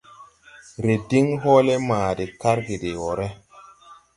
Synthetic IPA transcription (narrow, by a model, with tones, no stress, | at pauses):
ɾe˨di˦ŋɦoː˦le˦maː˨de˨ka˦ɾɡi˨de˨wɔ˨ɾe˦